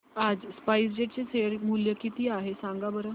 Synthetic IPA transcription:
ad͡zspajs̬d͡ʑeʈ̚t͡seseɾmuljəkit̪iːaɦesãŋɡabəɾə

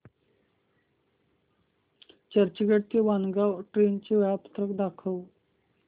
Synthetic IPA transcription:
t͡ɕəɾt͡ɕəɡəʈ̚t̪eʋanɡawʈɾent͡ɕeʋapə̥t̪ɾəkd̪akʰəʋ

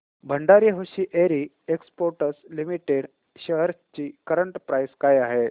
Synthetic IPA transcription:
bʱəɳɖaɾiɦoɕiːʔeɾiː | ekspoɾʈəslimiʈeɽ | ɕəɦəɾt͡ɕiːkəɾəɳʈpɾajskajaɦe

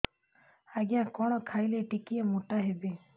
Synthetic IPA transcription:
aɡijãkɔɽ̃ɔkʰajleʈikiamuʈaɦebe

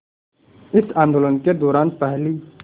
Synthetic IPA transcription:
ɪsãːnd̪olə̃nked̪ɔːɾaːnpɛɦli

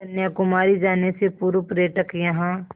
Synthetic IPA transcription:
ɐnjakʊmaːɾid͡ʒaːnesepuːɾupɾeːʈəkjɐɦã

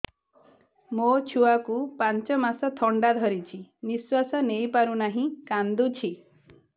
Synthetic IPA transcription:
mot͡ʃʰuakupant͡ʃɔmasɔt̪ʰɔɳɖad̪ʱɔɾit͡ʃʰiniswasɔnejpaɾunaɦĩkand̪ut͡ʃʰi

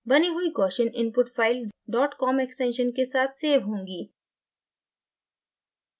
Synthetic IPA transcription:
bɐniɦuikɔːʃənɪ̃npʊʈfʰaːɪlɖɔːʈkɔːmɛksʈɛ̃ːnʃənkesaːt̪ʰseːʋɦõːŋɡiː

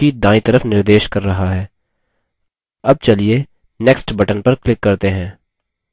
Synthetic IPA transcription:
iːd̪ãːĩt̪ɐɾəfnɪɾd̪eːʃkɐɾːɐɦaɦɛː | ɐb̚t͡ʃɐlie | nɛksʈbɐʈənpɐɾklɪkːɐɾt̪eɦɛ̃ː

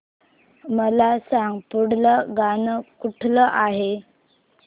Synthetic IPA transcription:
məlasaŋɡpuɽləɡanəkuʈʰləʔaɦe

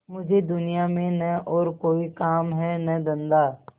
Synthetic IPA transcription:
mʊd͡ʒʱed̪ʊnijamẽnɛʔɔːɾkoːikaːmɦɛnɐd̪ə̃nd̪aː

